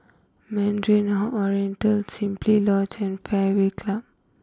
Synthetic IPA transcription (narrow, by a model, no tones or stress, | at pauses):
mɛ̃ndɹĩnɦɔʔɔɹiɛ̃ntəlsĩmplilɔ̃t͡ʃɛ̃nfɛwekʰlab̚